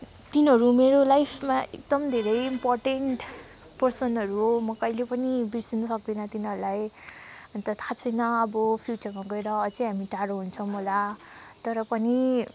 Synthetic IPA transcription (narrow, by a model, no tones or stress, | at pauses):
t̪inɦʌɾumeɾolajpʰmaḛk̚d̪ʌmd̪ʱeɾʌjimporʈeɳʈ | pʌrsʌnʌɾuɦomʌkʌjlepʌnibirsinʌsʌk̚d̪inʌt̪inɦʌɾulaj | ʌnt̪ʌt̪ʰat͡sʰʌjnʌʌbʌpʰjut͡sʌrmaɡʌeɾʌt͡sʌj̃ɦamiʈaɾõɦunt͡sʰʌw̃mʌla | t̪ʌɾʌpʌni